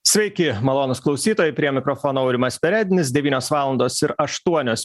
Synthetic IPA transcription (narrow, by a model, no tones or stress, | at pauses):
sʲʋʲɛɪkʲɪmɐlˠoːnʊsklˠɒʊsʲiːt̪oːjɛɪpʲɾʲiɛmʲɪkɾofoːnoːɐʊɾʲɪmɐsʲpʲɛɾʲæːd̪ʲɪnʲɪs̬d̪ʲɛʋʲiːnʲoːsʋɑːlˠɐnd̪oːsɪɾɐʃt̪uɔnʲoːs